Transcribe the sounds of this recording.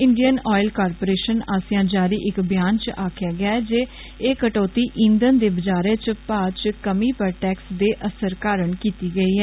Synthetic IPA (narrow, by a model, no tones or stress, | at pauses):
ɪɳɖijənɔːɪlkaːɾpoːɾeːʃənaːsjãːd͡ʒaːɾiːʔɪkbɪjaːnt͡ʃaːkʰjaːɡɪjaːɛd͡ʒeː | eːkəʈoːt̪iːʔĩːnd̪ənd̪eːbəd͡ʒaːɾeːt͡ʃpaːt͡ʃkəmiːpəɾʈɛːksd̪eːʔəsəɾkaːɾəɳkiːt̪iːɡəiːɦɛː